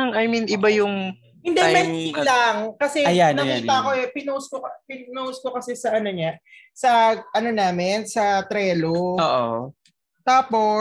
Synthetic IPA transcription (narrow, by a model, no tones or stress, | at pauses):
ŋɐjminʔɪbajʊŋ | hɪnd̪ɛmɛnlɐŋkɐsɛɐjannjʊt̪ɐʔɐko̞ɛpɪnoskokɐpɪnnoskokɐsɛsɐʔɐno̞ɲa | sɐʔɐno̞naːmɪnsɐt̪ɾɛːlooːʔo̰ | t̪aːpo̞